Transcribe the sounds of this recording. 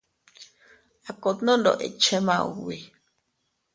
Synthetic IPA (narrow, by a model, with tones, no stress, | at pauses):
a˨ko˨t̪nõ˦ndo̰˨ʔḛ˨t͡ʃʰɛ˦mã˦˨ṵ˨we˨